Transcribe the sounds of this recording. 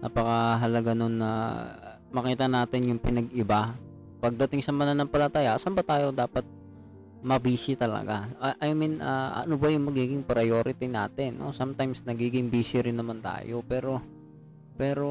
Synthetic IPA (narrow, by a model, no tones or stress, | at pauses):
nʔɐ̰pɐkɐɦɐlɐɡano̞nːɐ̰ | mɐkiːt̪ɐnaːt̪ɪnjʊŋpɪnɐɡɪba | pɐɡ̚d̪ɐt̪ɪŋsɐmɐnanɐŋpɐlɐt̪aːjɐʔsɐmbat̪aːjo̞d̪aːpɐt̪̚ | mɐbiːsɪt̪ɐlɐ̰ɡaʔɐjminʔɐɐ̰nobɐjʊŋmɐɡiːɡɪŋpɾɐjoːɾɪt̪ɪna̰ːt̪ɪnːo̰samt̪ajmsnɐɡiːɡɪŋbiːsɪɾɪnːɐmant̪a̰ːjo̞pɛːɾo̞ | pɛːɾo̞